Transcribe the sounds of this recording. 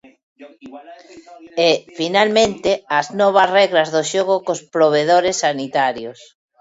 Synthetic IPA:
ɛfinalmẽnt̪eaznɔβ̞ɐsrɛɣɾazðoʃoɣokospɾoβ̞eðoɾesːanit̪aɾjos

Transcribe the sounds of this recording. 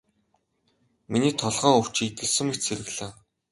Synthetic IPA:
miniːt̪ʰɔɮʁœːɵw̥t͡ɕit̪ɘ̆ɮsɵ̆ŋikt͡ɕt͡sʰeɾɘ̆ɣɮaː

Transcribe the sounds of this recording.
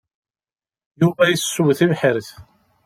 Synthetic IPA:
juvæjəssːuwθivħəɾθ

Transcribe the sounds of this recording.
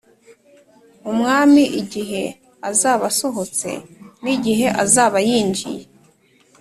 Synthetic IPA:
umŋaːmiʔiɟiɦe̞ | azaːβaso̞ɦo̞t͡se̞̰niɟiɦe̞ʔazaːβajiːnd͡ʒḭje

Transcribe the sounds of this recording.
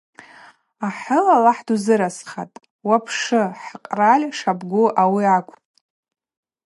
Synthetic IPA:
aħʊlalaħduzɨɾasχa̰tʼ | wapʰʂɨħqʼralʲʂabɡʷʊʔawiakʷʰʼ

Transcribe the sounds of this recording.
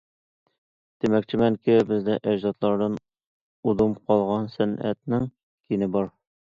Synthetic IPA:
t̪imæk̚t͡ɕɪmæŋkɪbɘ̆zd̪æʔæʑzɑt̪lˠɑɾd̪ɑn | ud̪umqɒlˠʁɑnsænæ̰t̪nɪŋ | kinɘbɒɾ

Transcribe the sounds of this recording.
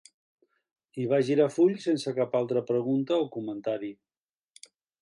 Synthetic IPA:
iβaʒiɾafuʎsensəkapalˠt̪ɾəpɾəɣunt̪əokumənt̪aɾi

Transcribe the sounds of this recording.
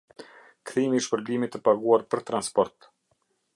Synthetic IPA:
kθimiiʃpəɾblimit̪əpaɡuaɾpəɾt̪ɾanspɔɾt̪

